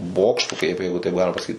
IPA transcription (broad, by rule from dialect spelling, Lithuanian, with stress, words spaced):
ˈboːkʃtʊ kɐɪp ˈjɛɪɡʊ tɐɪp ˈɡɑːlʲɪmɐ pɐsɐˈkʲiːt